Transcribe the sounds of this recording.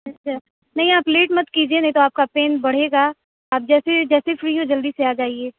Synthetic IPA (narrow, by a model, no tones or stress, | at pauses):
ɐt͡ʃaː | nɐɦĩaːpleːʈmɐt̪kiːd͡ʒienɐɦĩt̪oaːp̚kapeːnbɐɽ̤eːɡaː | aːp̚d͡ʒɛːsed͡ʒɛːsefɾiːõd͡ʒɐld̪iseaːd͡ʒaːieː